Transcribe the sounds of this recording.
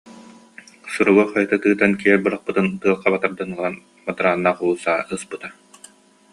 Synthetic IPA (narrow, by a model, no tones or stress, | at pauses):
suɾuwɯχajɯt̪ɯt̪ɯːt̪ankiɛɾbɯɾaχ̚pɯt̪ɯnt̪ɯɐlˠqabat̪aɾd̪anɯlˠan | bat̪ɯɾaːnːaːqulˠuːsaːɯspɯt̪a